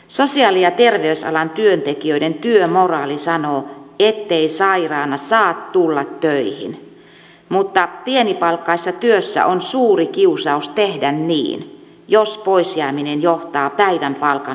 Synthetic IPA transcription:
sosiɑːlijɑt̪erʋeysɑ̰lɑnt̪yønt̪ekiøident̪yømorɑːlisɑnoːet̪ːeisɑirɑːnɑsɑːt̪t̪ulːɑt̪ːøihḭn | mut̪ːɑpienipɑlkːɑisːɑt̪yøsːæ̰ʔonsuːrikiusɑust̪ehdænnḭːn | jospoisjæːminenjoht̪ɑːpæiʋæmpɑlkɑ

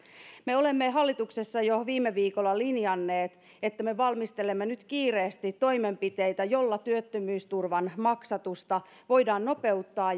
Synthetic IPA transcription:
meo̞le̞mːeɦɑlːit̪ukse̞sːɑjoʋiːmːeʋiːkolːɑlinjɑnːe̞ːt̪ | et̪ːæmeʋɑlmist̪elemːenyt̪kiːreːst̪it̪to̞jmempit̪ejt̪æjo̞lːɑt̪yøt̪ːømyːst̪urʋɑnmɑksɑt̪ust̪ɑ | ʋo̞jdɑːnno̞pe̞ut̪ːɑː

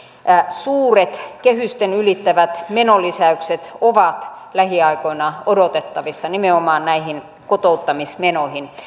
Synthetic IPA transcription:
suːret̪kehyst̪enylit̪ːæʋæt̪menolisæykset̪oʋɑt̪ | læhiɑikoinɑodot̪et̪ːɑʋisːɑnimeomɑːnnæihin | kot̪out̪ːɑmismenohin

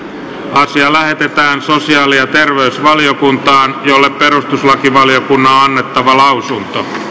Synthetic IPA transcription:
ɑsiɑlæhet̪et̪æːnsosiɑːlijɑt̪erʋeysʋɑlijokunt̪ɑːnjolːeppeɾust̪uslɑkiʋɑlijokunːɑõɑnːet̪ːɑʋɑlɑusunt̪o

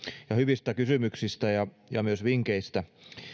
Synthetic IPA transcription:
jɑhyʋist̪ækysymyksist̪æjɑ | jɑmyøsʋiŋkeist̪æ

